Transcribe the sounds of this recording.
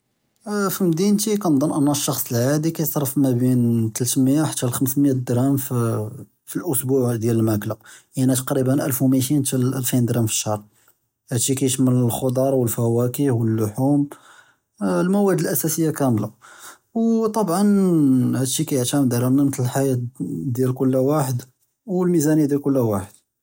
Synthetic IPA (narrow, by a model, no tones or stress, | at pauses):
fimd̪int̪ikænd̪ˤɑnʔənːæʃːɑxsˤəlʕad̪ikæjsˤɑɾˤfmæbint̪əlt̪məjaħat̪ːælxəmsmjæd̪ɾæmf | filʔʊsbuʕd̪jæləlmæklaʔænæt̪ɑqɾibənʔælfwmit̪int̪ælʔælfind̪ɾˤɑmfə̥ʃɑrˤ | hæd̪ʃikæjəʃmənəlxod̪ˤɑɾˤwəlfæwækihwəlːʊħum | lmæwæd̪əlʔæsæsəjːakæmla | wt̪ˤɑbʕɑnhæd̪ʃikæjəʕt̪æmd̪ɾˤæmnamət̪ləlħajæt̪d̪jælkʊlːwaħəd̪ | wlmizænəjːad̪jælkʊlːwaħəd̪̥̚